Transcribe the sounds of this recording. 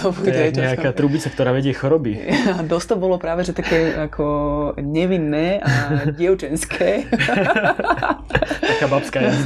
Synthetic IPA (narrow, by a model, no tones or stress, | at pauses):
ɔpɔkɲɛakaːt̪ɾuːbit͡sakt̪ɔɾaːʋɛɟɪɛxɔɾɔbiad̪ɔst̪ɔbɔlɔpɾaːʋɛʒɛt̪akɛːakʰɔɲɛʋinːɛːaɟɪɛʊt͡ʃɛnskʰɛː | takaːbapskaːj